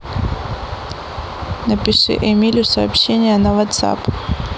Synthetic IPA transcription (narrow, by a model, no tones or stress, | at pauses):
nɐpʲɪʂɨ̰ʔɛmʲilʲʊsɐa̰ːpɕenʲɪjənɐvɐt̪sa̰p